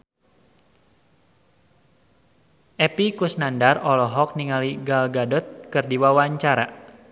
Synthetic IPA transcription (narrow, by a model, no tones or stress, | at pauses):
ʔɛpikusnandarɔlɔɦɔk̚niŋaliɡalɡadɔt̪̚kɨrdiwawaɲt͡ʃaɾa